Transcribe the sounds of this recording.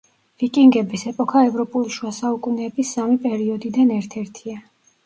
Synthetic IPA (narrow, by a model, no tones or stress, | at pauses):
vikʼiŋɡɛbisɛpʼɔkʰaɛvɾɔpʼuliʃuasaukʼunɛːbisamipʼɛɾiɔd̪id̪anɛɾt̪ʰɛɾt̪ʰia